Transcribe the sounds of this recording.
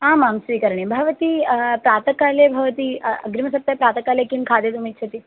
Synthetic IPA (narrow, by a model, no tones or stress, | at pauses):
ɦãmamsʋiːkəɾɳ̃ebʱɐʋət̪iːpɾat̪əkalebʱɐʋət̪iɐ̰ɡɾimɐsɐp̚t̪ːapɾaːt̪əkalekinkʰaːd̪et̪um̤it̪ːt͡ʃʰet̪i